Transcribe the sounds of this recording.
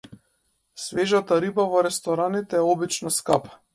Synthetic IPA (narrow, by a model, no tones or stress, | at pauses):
svɛʒat̪aɾibavɔɾɛst̪ɔɾanit̪ɛːɔbit͡ʃnɔskapḁ